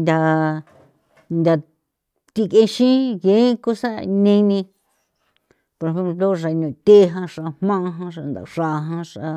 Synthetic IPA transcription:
nd̪ʲa˨ | nd̪ʲa˨ | t̪i˧kẽ˧ʃĩ˦jẽ˨˦ku˦sa˦nẽ˧nĩ˧ | po˧ɾhẽ˧˦mplo˦ʐa˧nũ˨t̪ʲe˦ɦã˧ʂa˧hmã˦˧ɦã˦ʂa˧nd̪a̰˨ʂa˧ɦã˦ʂa˧

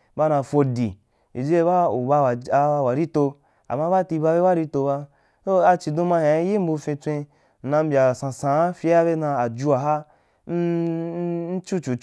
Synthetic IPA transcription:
ba˦nã˧fo˧dḭ˨ | ḭ˨d͡ʒe˦ba˦u˨ba˧wa˨a˧a˧wa˨ɾi˦to˧ | a̰˨ma˦ba˦ti˧ba˧be˦ba˦ɾi˧to˧ba˧ | so˦a˧t͡ʃi˧dõ˧ma˧hã˨˦ji˦m̩˦bu˧fĩ˧t͡sʷẽ˧ | n̩˨nã˧m̩˦bʲa˨sã˧sã˨a˦fi˧˦a˦be˦nã˧a˨d͡ʒu˧a˧ɦa˦ | n̩˦ | n̩˦t͡ʃu˦t͡ʃu˨˦

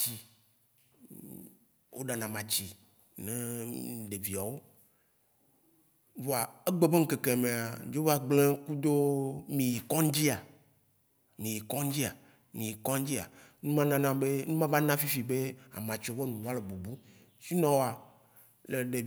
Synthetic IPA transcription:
t͡ɕi˨ | wʔo˦ɖa˨nã˨mã˨t͡ɕi˨ | nẽ˦ɖe˨vi˨a˨wo˦ | vɔ˨a˨e˦ɡ͡be˦be˦ŋ̩˦ke˨ke˨mẽ˨a˨d͡ʒo˦va˦ɡ͡blẽ˦ku˦d̪o˦mĩ˨ji˨kɔ̃˦ŋ˦d͡ʑi˦a˨ | mĩ˨ji˨kɔ̃˦ŋ˦d͡ʑi˦a˨ | mĩ˨ji˨kɔ̃˦ŋ˦d͡ʑi˦a̰˨nũ˦mã˦nã˦nã˦be˦nũ˦mã˦va˦nã˦fi˦fi˨be˦a̰˨mã˨t͡ʃɔ˦vɔ˦nũ˨wa˦le˨bu˨bu˦ | si˦nɔ̃˨wo˦a˨ | le˨ɖe˨

